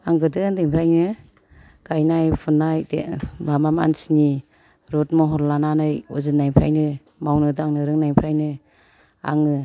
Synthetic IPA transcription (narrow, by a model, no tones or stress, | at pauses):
aŋɡɯdɯndeŋpʰɾajnɯ | ɡ̥ajnajpʰunajdḛbamama̰nsini | ɾɔtmɔɦɔɾlananɯjṵzɯnːajpʰɾa̰jnɯ | mawnɯdɯaŋnɯɾɯŋnajmpʰɾajnɯ | a̰ŋɯ